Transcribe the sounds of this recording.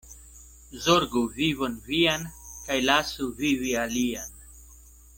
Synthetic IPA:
zoɾɡuvivonvijankajlaːsuvivialian

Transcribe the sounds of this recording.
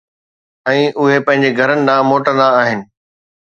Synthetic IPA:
ɛ̃ːʔʊɦepɐ̃ɦɪ̃ɲ̆d͡ʑeɡʱɐɾənɪ̆ɗ̪ãːmoːʈə̃nd̪aːɦɪnɪ̆

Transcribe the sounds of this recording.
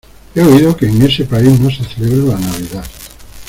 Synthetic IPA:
eoiðokeːŋesepaiznõseθeleβɾelanaβiðað

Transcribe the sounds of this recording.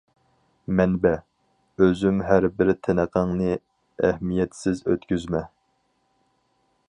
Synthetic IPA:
mɛnbɛ | øzymɦæɾbɪɾt̪ʰɛnəqʰɑŋnɨ | æhmijɛt̪sɪzø̰t̪kʲyzmɛ

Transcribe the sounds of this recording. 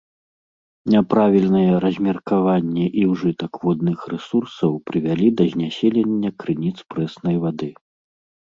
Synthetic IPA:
nʲapɾavʲilʲnɐjɛɾɐzʲmʲɐrkavanʲːɛʔiwʐɨt̪ɐkvɔd̪̚nɨxrɛsursɐwpɾɨvʲalʲid̪ɐzʲnʲasʲelʲenʲːɐkɾɨnʲit̪spɾɛsnɐjvad̪ɨ

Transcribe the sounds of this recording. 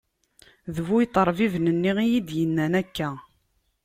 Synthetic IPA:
ðəvujt̪əɾˤvivnənːiʁijid̪jənːænækːæ

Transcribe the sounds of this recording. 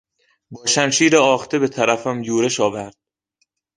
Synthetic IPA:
bɒːʃæmʃiːɾeɒːxt̪ʰebe̞t̪ʰæɾæfæmjuːɾeʃɒːvæɾd̪̥̚

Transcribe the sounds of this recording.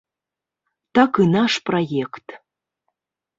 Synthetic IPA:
t̪ɑkɯnɑʃprojekt̪

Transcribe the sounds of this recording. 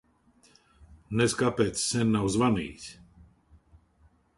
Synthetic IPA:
nɛskapɛt̪ssɛnːawzʋanḭːsʲ

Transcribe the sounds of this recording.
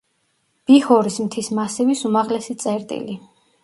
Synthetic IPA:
b̥ihɔɾismt̪ʰismasivisumaʁlɛsit̪sʼɛɾt̪ʼḭli

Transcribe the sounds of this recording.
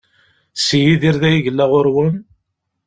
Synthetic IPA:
sijiðiɾðæjiʝəlːæʁʊɾwən

